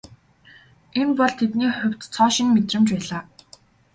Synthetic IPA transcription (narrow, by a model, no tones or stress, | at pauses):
enpɔɮt̪ʰet̪niːχʊ̟wʲt̪t͡sʰɔːʃɪ̆nmet̪rɘ̆mt͡ɕpæːɮaː